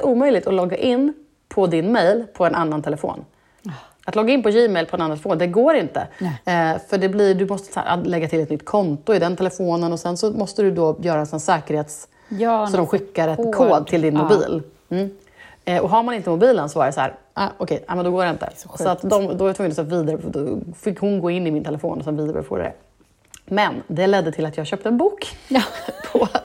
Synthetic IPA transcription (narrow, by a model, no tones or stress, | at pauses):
uːmœjlɪɡt̪ɔlɔɡːaʔɪnː | pʰɔd̪ɪnmɛjlpʰɔɛnanːant̪ʰɛlɛfo̰ːn | ʔat̪lɔɡːaɪnpɔjɪmɛjlpʰɔɛnanːt̪ɛləfoːnd̪ɛɡoːɾɪnt̪ə̰ | fœɖɛblɪɖ̪ɵmɔst̪ə̥sæ̰ɾ̰lɛɡːat̪ʰɪlɛt̪nʏt̪ːkʰɔnt̪ʊɪd̪ɛnt̪ʰɛlɛfoːnənɔsɛnsɔmɔst̪əd̪ɵd̪ɔjœːɾaɛsɔnsɛːkəɾheːt̪s | sɔd̪ɔmɧɪkːaɾɛt̪kʰoːd̪t̪ʰɪld̪ɪnmʊbḭːl | ʔɔɦaɾmanɪnt̪əmʊbiːlənsɔvaɾjɛshæ̰ːɾaʔɔkʰɛj̪ɛ̰ːmɛnd̪ɔɡoːɾɖɛɪnt̪ə̰sɔat̪d̪ɔmd̪ɔvaɾat̪ʰːŋːnɔsɛviːd̪aɾəd̪ɔfɪkːhʊnɡoːɪnːɪmɪnt̪ʰɛlɛfo̰ːnɔsɛnviːd̪aɾ̰fo̰ːd̪̰d̪ɛ̰ | mɛnd̪ɛlɛd̪ːət̪ʰɪlat̪jɑːhɕœːp̚t̪əɛnbuːk | pʰɔ